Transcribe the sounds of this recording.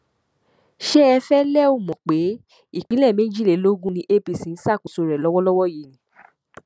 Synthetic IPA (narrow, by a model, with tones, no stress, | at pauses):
ʃɛ˦ɛ˧fɛ˦lɛ˦o˦˨mɔ̃˨k͡pe˨˦ | i˦˨k͡pĩ˨˦lɛ˦˨mẽ˨˦d͡ʒi˦˨le˨˦lo˦ɡũ˦nĩ˧ʔe˦pi˧sĩ˨˦n̩˦sa˦˨ku˨so˧ɾɛ˨lɔ˦wɔ˦lɔ˦wɔ˦ji˨nĩ˨